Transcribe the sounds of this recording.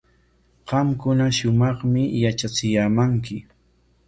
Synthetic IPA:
ɢɑmkʊnaʃʊmɑχmɪjat͡ʃat͡sɪjaːmaŋkɪ

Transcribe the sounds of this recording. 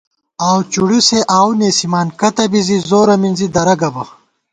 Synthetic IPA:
aːwt͡ʃuɽiseʔaːwneːsimaːnkɐt̪ɐbizizoːɾɐminzid̪ɐɾɐɡɐbɐ

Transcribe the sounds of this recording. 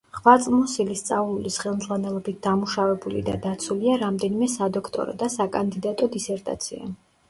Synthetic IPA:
χvat̪sʼmɔsilist̪sʼavlulisχɛlˠmd̪zʁwanɛlˠɔbit̪̚d̪amuʃavɛbulḭd̪a̰d̪at̪sʰuliaɾamd̪ɛnimɛsad̪ɔkʰt̪ʼɔ̰ɾɔ̰d̪asakʼand̪id̪at̪ʼɔd̪isɛɾt̪ʼa̰t̪sʰia̰

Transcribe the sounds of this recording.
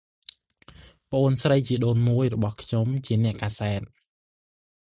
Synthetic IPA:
pə̆ʔoːnsrəjt͡ɕiəɗoːnmuəjrɔɓɑhkʰɲomt͡ɕiənɛ̆əʔkaːsaɛt̪̚

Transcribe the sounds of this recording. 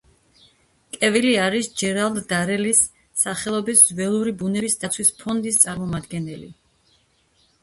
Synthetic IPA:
kʼɛviliaɾisd͡ʒɛɾalˠd̪d̪aɾɛlisː | aχɛlˠɔbiszwɛlˠuɾibunɛbisd̪at̪sʰwispʰɔnd̪ist̪sʼaɾmɔmad̪ɡɛnɛlḭ

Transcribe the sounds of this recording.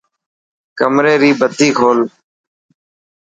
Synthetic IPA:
kəmɾeːɾiːbət̪iːkʰoːl

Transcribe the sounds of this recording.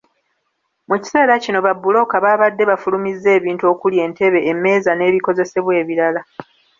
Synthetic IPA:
muci̥se̞ːɾacino̞βabːulo̞kaβaːβadːe̞βafulumizːe̞ːβiːntuo̞kulje̞ːnte̞βe̞ːme̞ːzane̞ːβiko̞ze̞se̞βwe̞ːβiɾala

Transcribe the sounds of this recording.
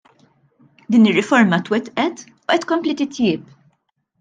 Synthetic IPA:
d̪iːnɪrːɪfɔɾmɐt̪wɛt̪ːʔɛt̪ | uʔɛt̪ːkɔmplit̪ɪt̪jɪːp̚

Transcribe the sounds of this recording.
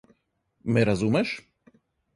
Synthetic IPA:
mɛɾazumɛʃ

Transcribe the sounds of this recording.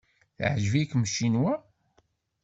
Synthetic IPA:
θʕʒəvikmʃːinwæ

